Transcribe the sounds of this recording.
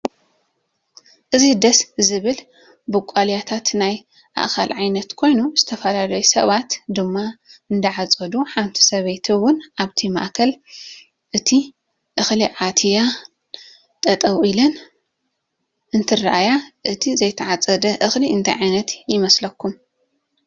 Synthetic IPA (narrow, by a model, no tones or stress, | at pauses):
ʔɨzid̪ɐszɨβɨl | bɨkʼaljat̪ʰat̪naj | ʔa̰ʔkʰa̰lʕajnɐt̪kʰo̞jnuzɨt̪ʰɐfɐlalɐjusɐβat̪d̪ɨmːaɨnd̪ɐʕat͡sʼɐd̪uħant̪ʰi̥sɐβejt̪ʰiwʊnʔaβt̪ʰima̰ʔkʰɐl | ʔɨt̪ʰi | ʔɨxliʕat̪ʰija | t̪ʼɐt̪ʼɐwilɐn | ʔɨnt̪ʰɨra̰ʔajaʔɨt̪ʰizɐjt̪ʰɐʕat͡sʼɐd̪ɐʔɨxliɨnt̪ʰa̰jʕajnɐt̪jɪmɐslɐkːum